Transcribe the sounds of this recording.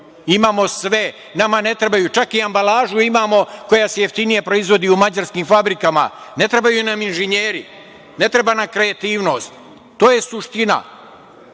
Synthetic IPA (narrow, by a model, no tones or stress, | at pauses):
imaːmo̞sʋe | namane̞t̪ɾebajut͡ʃakiambalaːʒuimaːmo̞ko̞jasejeft̪inije̞pɾo̞izʋo̞d̪iːumad͡ʑaɾskiːmfabɾikama̰ne̞t̪ɾe̞bajunaminʒeɲeːɾi | ne̞t̪ɾe̞baːnamkɾeat̪iːʋno̞ːst̪ | t̪ːo̞ːje̞suʃt̪ina̰